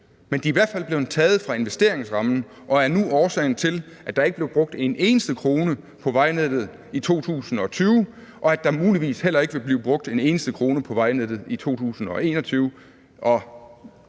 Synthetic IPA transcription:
mend̥iːʋæɐ̰d̥fæl̰b̥leʊt͡sʰɛːð̩ˠfʁɑ̈e̝nʋesd̥e̝ɐe̝ŋsʁɑ̈mn̩ | ʔɒ̽æɐnuɒːsɛ̰ɪn̩t͡sʰe̝l | ʔæ̥d̥ɑ̈eɡ̥əb̥leʊb̥ʁɔ̽ɡ̥̚d̥e̝ne̝ːnəsd̥əkʰʁo̝ːnə | pʰɒ̽ʋɑ̈ɪned̥ð̞̩ˠ | it͡sʰo̝̰ːt͡sʰṵːsn̩ɒ̽t͡sʰyːʊ | ʔɒ̽æd̥ɑ̈muːliʋḭːshel̰ɐe̝ɡ̥əʋe̝bliːʊb̥ʁɔ̽ɡ̥̚d̥e̝ne̝ːnəsd̥əkʰʁo̝ːnəpʰɒ̽ʋɑ̈ɪned̥ð̞̩ˠit͡sʰo̝̰ːt͡sʰṵːsn̩ɒ̽e̝̰ːnɒ̽t͡sʰyːʊ | ʔɒ̽

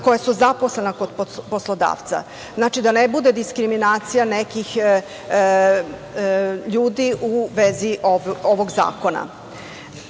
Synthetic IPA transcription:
ko̞jasuzaposlˠenakod̪pposlˠod̪a̰ːʋt̪sa̰ | znaːt͡ʃid̪anebud̪e̞d̪iskɾiminaːt̪sijanekix | ʎuːd̪iʔuʋeziʔooʋoɡza̰ːko̞na̰

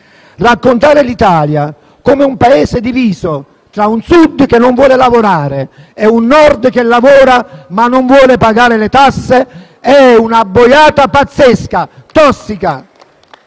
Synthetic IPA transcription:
rakːont̪aːɾɪlit̪aːlja | koːmeumpaeːsɪd̪iviːso | t̪ɾaunsud̪k̟enːoɱvwɔːlɪlavoɾaːɾe | ɛunːɔrd̪k̟elːavɔːɾamanːoɱvwɔːlɪpaɡaːɾɪlɪt̪asːe | ɛunabːojaːt̪apat̪sːeskat̪ɔsːika

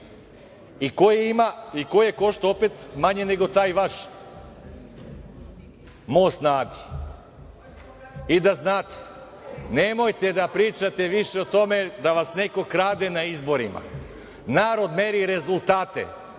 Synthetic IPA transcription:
ikojeimaikojjeko̞ʃt̪oopet̪maɲe̞ne̞ɡo̞t̪aːjʋaʃ | mojst̪naːd̪i | id̪aznaːt̪e̥ | nemo̞jt̪e̞d̪apɾiːt͡ʃat̪e̞ʋiʃeot̪o̞med̪aʋasne̞ko̞kɾaːd̪enaizbo̞ɾima̰ | naːɾo̞d̪me̞ɾiɾe̞zulˠt̪aːt̪ḛ

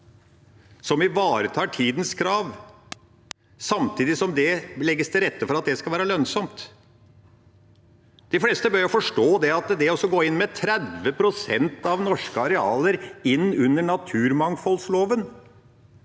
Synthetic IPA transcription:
sɔmʋɪʋɑːɾət̪ʰɑːʈʰiːd̪nskʰɾɑːʋ | sɑmt̪ʰiːd̪ɪsɔmd̪ɛlɛɡːəst̪ʰɪɾɛt̪ːəfɔɾɑt̪̚d̪ɛskɑlʋæːɾəlœnsɔmt̪ | d̪̥ɪfleːst̪əbœɾjɔfɔʂʈoːd̪ɛɑt̪d̪ɛɔsɔɡoːɪnːmɛt̪ʰɾɛd̪ʋəpʰɾʊsɛ̰nt̪ɑʋnɔʂkəɑɾɛɑːləɾɪnːʉnːəɳɑt̪ʰʉːɾmɑŋfɔlsloːʋən

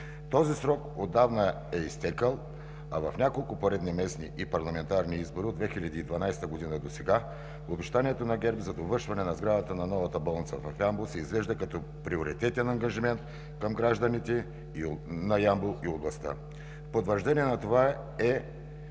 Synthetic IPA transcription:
t̪ɔzisɾɔkod̪ːavnə | ɛist̪ɛkəlˠ | ɐvɐfnʲakolˠkʊpoɾɛd̪nɛmɛsniʔipɐɾlˠɐmɛnt̪aɾniizboɾiod̪vɛxilʲɐd̪iːd̪vɐnajsɛ̥t̪əɡod̪inəd̪osɛɡa | obɛʃt̪aniɛt̪onɐɡɛɾbzɐd̪ovəɾʃvɐnɛnɐzɡɾad̪ət̪ənɐnɔvɐt̪əbɔlˠnit̪səvɐfjamblˠosɛizvɛʒd̪ɐkɐt̪ɔ | pɾioɾit̪ɛt̪ɛnɐŋɡɐʒimɛnt̪̚ | kɐmɡɾaʒd̪ɐnit̪ɛ | nɐjamblˠoioblˠɐst̪ə̰ | fpot̪vəɾʒd̪ɛniɛnɐt̪ova | ɛ

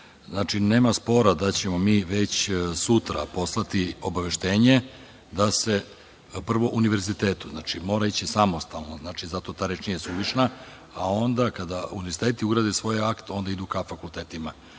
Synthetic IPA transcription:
znaːt͡ʂine̞ːmaspo̞ɾad̪at͡ɕe̞mo̞miːʋet͡ɕsut̪ɾa̰po̞slˠat̪io̞baʋe̞ʃt̪e̞ːɲe̞ | d̪ase̞ | pr̩ʋo̞ʔuniʋe̞ɾzit̪e̞ːt̪uznaːt͡ʃimo̞ːɾait͡ɕisamo̞st̪alnoznaːt͡ʃizat̪o̞t̪aːɾet͡ʃnijesuʋiʂna | ao̞nd̪akad̪aṵniʋeɾzi̥t̪e̞ːt̪iuɡɾad̪esʋo̞jakt̪o̞nd̪aid̪ukafakulˠt̪eːt̪ima

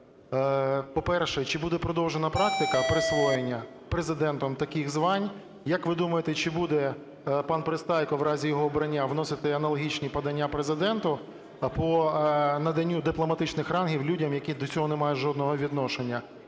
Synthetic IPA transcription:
pɔpɛrʃɛt͡ʃɪbud̪ɛpɾɔd̪ɔwʒenɐpɾɑk̚t̪ɪkɐpɾɪsʋɔjenʲːɐ | pɾezɪd̪ɛnt̪ɔmt̪ɐkixzʋɑnʲ | jɐkʋɪd̪umɐjet̪ɛt͡ʃɪbud̪ɛ | pɑnpɾɪst̪ɑjkɔwɾɑzʲijɔɦɔːbɾɐnʲːaʋnɔsɪt̪ɪɐnɐlˠɔɦʲit͡ʃnʲipɐd̪ɐnʲːapɾezɪd̪ɛnt̪ʊ | pɔnɐd̪ɐnʲːud̪ɪplˠɔmɐt̪ɪt͡ʃnɪxrɑnɦʲiwlʲudʲɐmjɐkʲid̪ɔt͡sʲɔɦɔnemɑjʊʒɔd̪̚nɔɦɔʋʲid̪nɔʃenʲːɐ

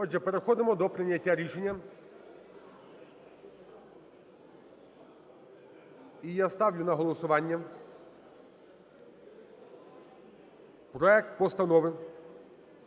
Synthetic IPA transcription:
ɔd͡ʒɛpeɾexɔd̪ɪmɔd̪ɔpɾɪnʲːɐtʲːaɾʲiʃenʲːɐ | ijast̪ɑwlʲʊnɐɦɔlˠɔsʊʋɑnʲːɐ | pɾɔɛk̚t̪̚pɔst̪ɐnɔʋɪ

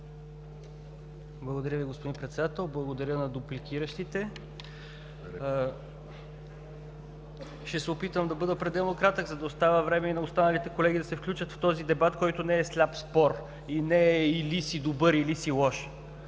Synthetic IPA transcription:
blˠɐɡod̪ɐɾʲjəviɡospod̪inpɾɛt̪sɛd̪at̪ɛlˠblˠɐɡod̪ɐɾʲjənɐd̪ʊplikʲiɾəʃt̪it̪ɛ | ʃt̪ɛsɛopit̪vəmd̪ɐbɤd̪əpɾɛd̪ɛlˠnokɾat̪əɡzɐd̪ɐost̪avəvɾɛmɛinɐost̪anɐlit̪ɛkolɛɡid̪ɐsɛfklʲut͡ʃət̪ft̪ɔzid̪ɛbat̪kɔjt̪onɛːslʲapspɔɾ | inɛilisid̪obɤɾilisilˠɔʃ

